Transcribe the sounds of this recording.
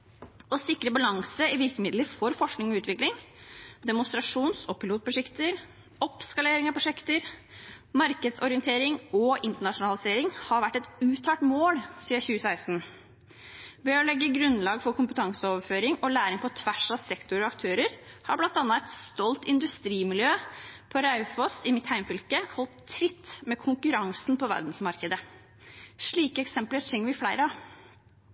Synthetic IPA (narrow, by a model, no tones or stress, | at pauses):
ɔsɪkːɾəbɑlɑŋsəɪʋɪɾkəmɪd̪ləfɔɾfɔʂknɪŋɔʉːt̪ʋɪklɪŋd̪ɛmʊnst̪ɾɑʂuːnsɔpʰɪluːt̪̚pʰɾʊʂɛkt̪əɾ | ɔpskɑleːɾɪŋɑpʰɾʊʂɛkt̪əɾ | mɑɾkəd̪sɔɾɪənt̪ʰeːɾɪŋɔʔɪnt̪əɳɑʂʊnɑlɪseːɾɪŋhɑɾʋæʈːɛt̪ʉːt̪ʰɑːʈmoːlsiːəçʉːəsæɪst̪n | ʋɛɔlɛɡːəɡɾʉnlɑːɡfɔɾkʰʊmpət̪ʰɑŋsəoːʋəɾføːɾɪŋɔlæːɾɪŋpʰɔt̪ʰʋæʂɑsɛkt̪ʊɾɔɑkt̪ʰøːɾəɾhɑɾblɑnt̪ɑːnːəɛt̪st̪ɔlt̪ɪnd̪ʉst̪ɾiːmɪljøːpʰɔɾɑʉfɔsɪmɪt̪hæɪmfʏlkəhɔlt̪ʰːɾɪt̪ːmɛkʰʊŋkʉɾɑŋsnpʰɔʋæ̰ɾd̪n̩smɑɾkəd̪ə | ʂɭiːkəɛksɛmpləɾtʰɛŋːʋɪflæɪɾɑ